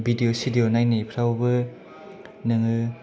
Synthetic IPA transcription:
bidiosidionajnipʰɾawbɯ | nɯŋɯ

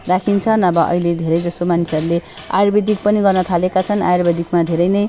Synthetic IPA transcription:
rakʰint͡sʰʌnʌbʌʔʌ̰iled̪ʱeɾʌjd͡zʌst̪omanisʰeʌɾulea̰jrbid̪ik̚pʌniɡʌrnʌt̪ʰalekat͡sʰʌna̰jrbʌd̪ʱikmad̪ʱeɾʌjnʌj

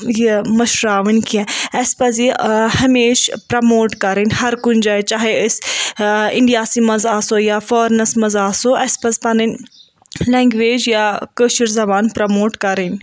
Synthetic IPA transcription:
jemɐʃɾaːʋənkiɛ̃ɐspɐzihɐmeːʃpɾɐmoːʈkɐɾənʲhɐɾkʊnd͡ʒaet͡ʃaːɦeəs | ɪ̰ɳɖijaːsimɐzaːsoːjaːfɔːɾnɐsmɐzaːsoɐspɐzpɐnənʲ | lɛ̃ːŋɡʋeːd͡ʒjakəːʃəɾzɐbaːnpɾɐmoːʈkɐɾənʲ

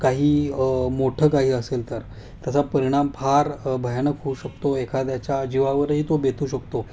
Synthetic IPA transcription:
kaɦiːmoʈʰəːkaɦiːəselt̪əɾ | t̪jat͡sapəɾiɽ̃ampʰaɾbʱəjanəkɦouɕəkt̪oekʰat̪jat͡ɕjad͡ʑiʋaʋəɾɦiːt̪obet̪ʰuːɕəkt̪o

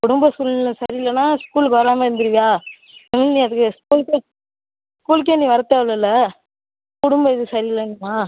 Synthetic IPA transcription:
kʊɽɯmbɐskuːllːɐsɐɾɪɪlːɐnːaːskuːlkʋɐɾaːmeːɪɾɯnd̪ɯɾɯʋijaː | ɛmɪlnĩːɐðɯkːɯskuːlke | skuːlk̬eːnːiʋɐɾɐt̪ːaːʋɯlɐlːɐ | kʊɽʊmbɐɪðɯsɐɾɪɪlːɐnːɯmaː

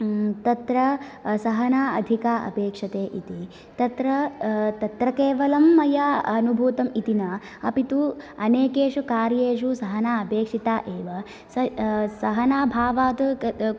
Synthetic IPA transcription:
t̪ɐt̪ɾɐsɐɦɐnaːɐ̰d̪ʱikaːʔɐ̰peːkʂɐt̪eːʔit̪i | t̪ɐt̪ɾɐt̪ɐt̪ɾɐkeːʋɐlɐmːɐjaːɐnubʱuːt̪ɐmit̪inɐ | ɐ̰pit̪uɐneːkeːʂukaːɾjeːʃ̬usɐɦɐnaːɐpeːkʂit̪aːʔeːʋɐ | sɐsɐɦɐnaːbʱaːʋaːt̪

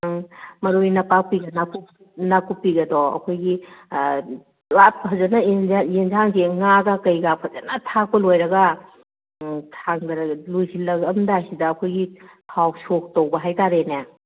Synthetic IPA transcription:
aŋmɐɾujnɐpak̚piɡɐnaku | nakupiɡɐdɔɐ̰kʰojɡi | wat̚ʰɐzɐnɐenzaŋseŋaɡakɐjɡap̚ʰɐzɐnatʰak̚pɐlojɾɐɡɐ | tʰaŋdɐɾɐɡlujsilɐɡɐmdasidɐːkʰojɡipʰawsok̚towbɐɦajtaɾena

